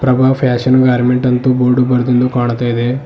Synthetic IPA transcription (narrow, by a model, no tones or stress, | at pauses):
pɾɐbʱaːʋpʰɛːɕənɡaːɾmeɳʈɐnt̪uboːɾɖubɐɾd̪ind̪ukaːɳt̪aid̪e